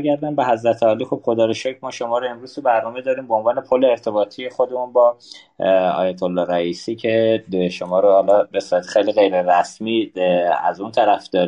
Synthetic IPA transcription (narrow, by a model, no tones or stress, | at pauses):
ɡæɾd̪ænbeɦæzɾæt̪ʰeɒːliːxob̥xod̪ɒːɾeʃɔːcʰmɒːʃo̞mɒːɾoe̞mɾuz̥t̪ʰubæɾnɒːme̞d̪ɒːɾiːmboonvɒːne̞pʰolːeːɾt̪ʰe̞bɒːt̪ʰijexo̞d̪e̞munbɒː | ɒ̰ːjæt̪ʰolːɒhɾæiːsiːcʰeʃomɒːɾohɒlɒbesuɾæt̪e̥xejliɣe̞jɾeɾæsmiːæ̰zunt̪ʰæɾæfd̪̥ɒːɾi